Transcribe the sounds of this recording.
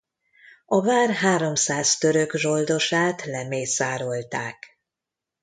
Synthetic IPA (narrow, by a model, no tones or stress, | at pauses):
ɒvaːrɦaːɾo̞msaːst̪ø̞ɾø̞ɡʒo̞ld̪o̞ʃaːt̪lɛmeːsaːɾo̞lt̪a̰ːk